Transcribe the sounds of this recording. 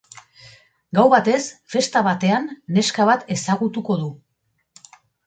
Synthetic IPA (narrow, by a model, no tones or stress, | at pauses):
ɡawβat̪e̞sfe̞st̪aβat̪e̞anːe̞skaβat̪e̞saɣut̪uko̞ðu